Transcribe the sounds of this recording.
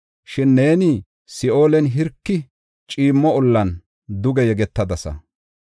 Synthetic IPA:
ʃɪnːe̞ːnɪ | sɪo̞ːlɛnɦɪɾkːɪ | t͡ʃʼiːmːɔɔlːɐn | d̪ʊɡɛjɛɡɛt̪ːɐd̪ɐsɐ̰

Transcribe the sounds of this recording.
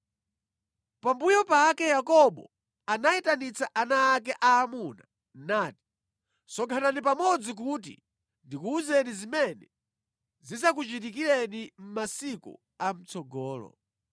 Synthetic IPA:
pambujɔpakɛjakɔɓɔ | anaitanit͡saʔanaːk̬ɛʔaːmuna | naːti̥ | sɔkʰananip̬amɔd͡zik̬ut̬ḭ | ndikuuzɛnizimɛnɛ | zis̬ak̬ut͡ʃit̬ikilɛnim̩masikṵ | am̩t͡sɔɡɔːlɔ̰

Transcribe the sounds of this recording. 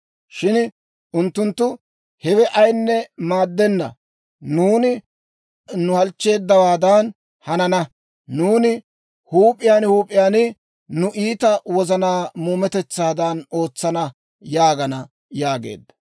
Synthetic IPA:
ʃɪn | ʔʊnt̪ːʊnt̪ːʊ | hɛwɛʔɐjnːɛmaːd̪ːɛnːɐ̰ | nuːnɪ | nʊhɐlt͡ʃːe̞ːd̪ːɐwaːd̪ɐn | hɐnɐnɐ | nuːnɪ | huːpʼːɪjaːnhuːpʼːɪjaːnɪ | nʊʔiːt̪ɐwɔzɐnaːmuːmɛt̪ɛt͡sːaːd̪ɐno̞ːt͡sːɐnɐ | jaːɡɐnɐ | jaːɡḛːd̪ːɐ̥

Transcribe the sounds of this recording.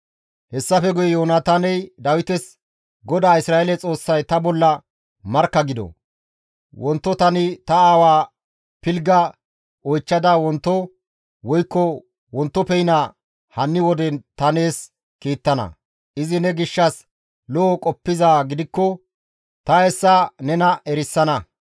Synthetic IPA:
hɛsːɐfɛɡʊjɛjoːnaːt̪anɛjd̪ɐwɪt̪ɛs | ɡɔd̪aːɪsɾaːɛlɛt͡sʼo̞ːsːɐjt̪ɐbɔlːɐ | mɐɾkːɐɡɪd̪ɔ̰ | wɔnt̪ːɔt̪ɐnɪt̪ɐaːwaː | pɪlɡɐ | ɔjt͡ʃːɐd̪awɔnt̪ːɔ | wɔjkːɔ | wɔnt̪ːɔpɛjna | hɐnːɪwɔd̪ɛnt̪ɐne̞ːs | kiːt̪ːɐnɐ̰ | ʔɪzɪnɛɡɪʃːɐs | lɔːkʼɔpːɪzaːɡɪd̪ɪkːɔ | t̪ɐɛsːɐnɛnɐɛɾɪsːɐnɐ

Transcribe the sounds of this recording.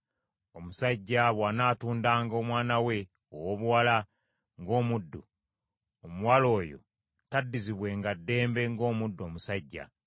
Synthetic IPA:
o̞musaɟːaβwaːnaːtuːndaːŋɡo̞ːmwaːnawe̞ | o̰woβuwala | ŋɡo̞ːmudːu | omuwalo̞ːjo̞̰ | tadːiziβwe̞ŋɡadːe̞ːmbe̞ŋɡo̞ːmudːoːmusaɟːa̰

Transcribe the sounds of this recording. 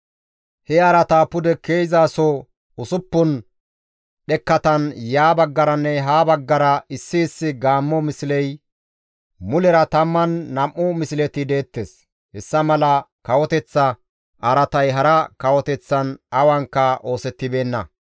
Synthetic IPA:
hɛɐɾɐt̪aːpʊd̪ɛke̞ːjzaːsɔ | ʊsʊpːʊn | ɗɛkːɐt̪ɐnjaːbɐɡːɐɾɐnːɛɦaːbɐɡːɐɾɐɪsːɪːsːɪɡaːmːɔmɪsɪlɛj | mʊlɛɾɐt̪ɐmːɐnːɐmːʊmɪsɪlɛt̪ɪd̪e̞ːt̪ːes | hɛsːɐmɐlɐkɐwɔt̪ɛt͡sːɐ | ʔɐɾɐt̪ɐjɦɐɾɐkɐwɔt̪ɛt͡sːɐnɐwɐŋkːɐʔo̞ːsɛt̪ːɪbe̞ːnːɐ

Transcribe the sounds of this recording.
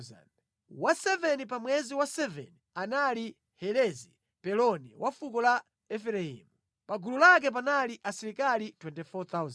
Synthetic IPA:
a̰n | wasɛvɛnip̬amwɛziwasɛvɛ̰nianali | hɛlɛzi | pɛlɔniwʔafukɔla | ɛfɛɾaḭːmu | paɡululak̬ɛp̬analiʔasiɾikalitwɛntɛfɔt̪az

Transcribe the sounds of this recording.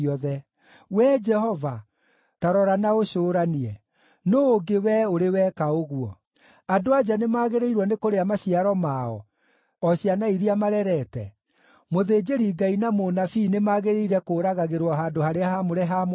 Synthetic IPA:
ɔðɛ | wɛd͡ʒɛhɔva | taɾɔɾanaoɕoːɾaniɛ | noːɡewɛoɾewɛkaoɣuɔ | adoad͡ʒanemaːɣeɾeiɾwɔnekoɾeamaɕiaɾɔmaɔ̰ | ɔɕianaiɾiamaɾɛɾɛtɛ̰ | moðed͡ʒeɾiɡainamonafinemaːɣeɾeiɾɛkoːɾaɣaɣeɾwɔɦaːndohaɾeahamoɾɛɦam

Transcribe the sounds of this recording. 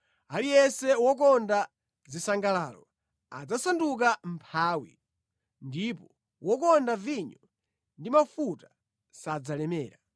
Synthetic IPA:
alijɛsɛwɔk̬ɔnda | zisaŋɡalaːlɔ̰ | a̰d͡zasanduk̬am̩pʰaːwḭ | ndipɔ | wɔkɔndaviɲɔ | ndimafuta | sad͡zalɛmɛːɾa

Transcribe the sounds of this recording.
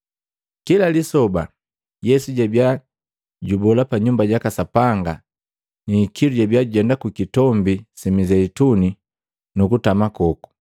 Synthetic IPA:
kilalisɔba̰ | jɛsuɟabja | ɟubɔlapaɲumbaɟakasapaŋɡa | nikiluɟabjaɟuɟɛndakukitɔmbisimizɛituni | nukutamakɔku̥

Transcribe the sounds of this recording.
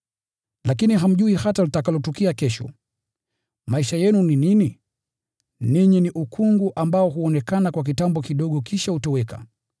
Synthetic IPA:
lakiniɦam̩ʄuihatalitakalɔtɔkiakɛʃɔ̰ | maiʃajɛnuninini | niɲiniʔukʰuŋɡuʔambaɔɦuɔnɛkanakwak̬itambɔkiɗɔɠɔkʰiʃahutɔwɛka̰

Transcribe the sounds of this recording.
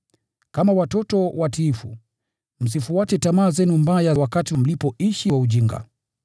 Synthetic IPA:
kamawatɔtɔwatiːfṵ | m̩s̬ifuwatɛtamaːzɛnumbajawakatim̩lipɔʔiʃiwauʄiŋɡa̰

